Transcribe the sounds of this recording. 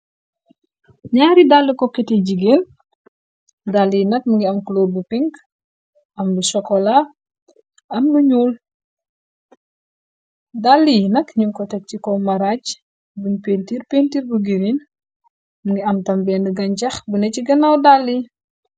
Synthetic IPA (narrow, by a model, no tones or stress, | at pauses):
ɲaːɾidalːikɔkɛtiɟiɡeːn | dalːijnɐk̚muŋɡiɐmkloːrbupiŋk | ʔɐmbusɔkːɔla | ɐmluɲuːl | dalːijnɐkɲuŋkɔtɛk̚cikɔmɐɾac | buɲpeːntirpentiːɾbuɡiɾin | muŋɡiɐmtɐmbɛːndəɡɐɲcɐxbunɛciɡɐnɐwdalːi